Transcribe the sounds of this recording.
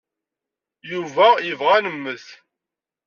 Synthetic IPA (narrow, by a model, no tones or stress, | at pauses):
juvæəvʁænəmːəθ